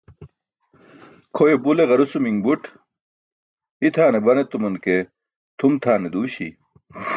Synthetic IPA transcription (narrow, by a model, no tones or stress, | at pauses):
kʰojebuleɣɐɾusumiŋbuʈ | it̪ʰaːnebɐnet̪umunke | t̪ʰumt̪ʰaːned̪uːɕḭ